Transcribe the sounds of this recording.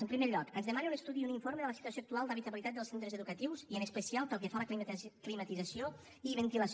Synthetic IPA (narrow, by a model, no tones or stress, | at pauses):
əmpɾimeʎɔkənzðəmaneunəst̪uðiuniɱfoɾməðələsit̪uəsjoːk̚t̪ualˠd̪əβit̪əβilit̪at̪̚d̪əlˠsent̪ɾəzəðukət̪iwziənəspəsialˠpəlˠkəfaləkklimət̪id͡zəsio | iβənt̪iləs